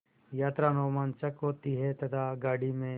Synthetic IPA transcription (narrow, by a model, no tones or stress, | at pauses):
jaːt̪ɾanɔːmaːnt͡ʃɐkɦoːt̪iɦɛt̪ɐt̪ʰaɡaːɽimẽ